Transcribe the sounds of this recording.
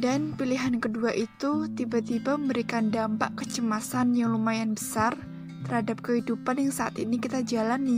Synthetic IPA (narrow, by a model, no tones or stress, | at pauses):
danpiliɦankəduaʔit̪ut̪ibat̪ibaməmbəɾikandampa̰ʔkət͡ʃəmasanjaŋlumajanbəsar | t̪ərhadap̚kəɦidupanjaŋsaʔa̰t̪inikit̪ad͡ʒalan